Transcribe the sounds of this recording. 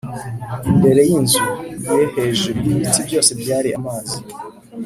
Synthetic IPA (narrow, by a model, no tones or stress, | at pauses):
imbe̞ɾe̞jinzujeheʒubiβitibɟo̞ːse̞bɟaːɾia̰maːzi